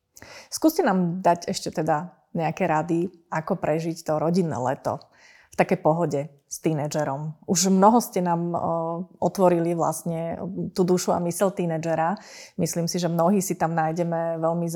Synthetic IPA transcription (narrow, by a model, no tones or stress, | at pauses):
skuːscɛnaːmd̪aɟɛʃcɛt̪ɛd̪a | ɲɛakɛɾad̪iʔakɔpɾɛʒict̪ɔɾɔɟinːɛ̰ːlɛ̰t̪ɔ̰ | ft̪akɛjpɔɦɔɟɛ | st̪inɛd͡ʒɛɾɔmʔuʒmnɔɦɔscɛnaːm | ʔɔt̪ʋɔɾiliʋla̰sɲɛt̪uːd̪uʃua̰misɛlt̪iːnɛd͡ʒɛɾamisliːmsiʒɛmnɔɦiːsit̪amnaːjɟɛmɛʋɛlmiz